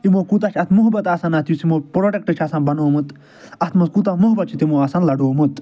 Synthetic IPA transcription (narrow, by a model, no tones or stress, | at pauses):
imoːkut̪aːt͡ʃʰɐt̪ʰmuɦbɐt̪aːsanɐt̪ʰjusimoːpɾoːʈek̚ʈɨt͡ʃʰaːsanbɐnoːmɨt̪ | ɐt̪ʰmɐskut̪aːmuɦbɐt̪̚t͡ʃʰit̪imoːaːsanlɐɖoːmut̪